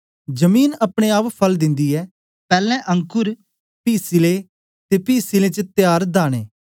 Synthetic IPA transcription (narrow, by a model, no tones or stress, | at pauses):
d͡ʒəmiːnɐpɽ̃eaːppʰɐld̪ɪ̃nd̪iɛː | pɛːlɛ̃ʔə̃ŋkʊɾ | piːsile | t̪epiːsilet͡ʃət̪jaːɾd̪aːɽ̃ḛː